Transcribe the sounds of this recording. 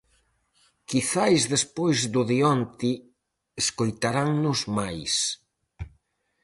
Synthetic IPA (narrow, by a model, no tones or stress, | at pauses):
kiθajzðespojzðʊðiɔnt̪i | eskojt̪aɾaŋnʊzmajs